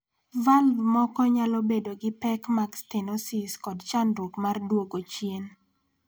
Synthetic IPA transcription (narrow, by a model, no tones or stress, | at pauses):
valvmɔkɔɲalɔbedoɡɪpɛkmakstenɔsiskɔdt͡ʃandwokmardwoɡot͡ʃjen